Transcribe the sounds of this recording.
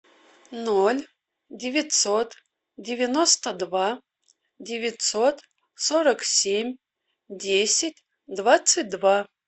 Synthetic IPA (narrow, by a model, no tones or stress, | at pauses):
nolʲ | dʲevʲit̪ʲsot̪ | dʲevʲɪnost̪əd̪va | dʲevʲit̪sot̪ | soɾəksʲemʲ | dʲesʲɪtʲ | d̪vat̪sɨt̚ʲd̪va